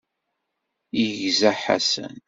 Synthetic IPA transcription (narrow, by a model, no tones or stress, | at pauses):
əʝzæħa̰sə̰n